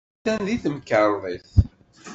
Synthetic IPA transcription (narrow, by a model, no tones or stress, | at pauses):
ænðiθəmkəɾˤðˤiθ